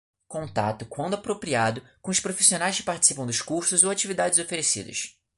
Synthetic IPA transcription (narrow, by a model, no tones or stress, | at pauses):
kõnt̪a̰t̪ʊkwɐ̃nd̪ʊapɾopɾiad̪ʊkõʊʃpɾofi̥sionajʃkɪ̥paɾt͡ʃisipɐ̃w̃d̪ʊʃkuɾsʊzoat͡ʃivid̪ad͡ʒɪzofeɾesḭd̪ɐ̰ʃ